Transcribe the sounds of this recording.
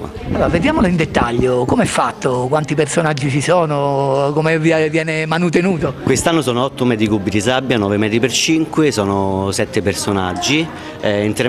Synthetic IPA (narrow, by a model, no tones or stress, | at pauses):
alːoːɾaved̪jaːmoloind̪et̪ːaʎːokomeɛfːat̪ːokwant̪ipersonad͡ʒːit͡ʃisɔːnokomeviavjɛːnemanut̪̬enuːt̪okwest̪anːosɔːnoɔt̪ːomɛːt̪ikubːid̪is̬abːjanɔːvemɛːt̪ɾipert͡ʃiŋkwesɔːnosɛt̪ːepersonad͡ʒːi | int̪eɾ